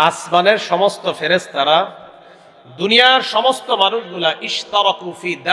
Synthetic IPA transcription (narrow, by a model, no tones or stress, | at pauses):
asmaneɾʃɔmost̪ofeɾest̪aɾa | d̪unijaɾʃɔmost̪omanuʃɡulaʔiʃt̪aɾɑkufid̪a